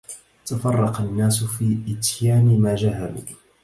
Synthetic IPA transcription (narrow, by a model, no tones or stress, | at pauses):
t̪afɑrˤːɑqɑnːaːsʊfiːʔɪt̪jaːnmad͡ʒaːɦamɪ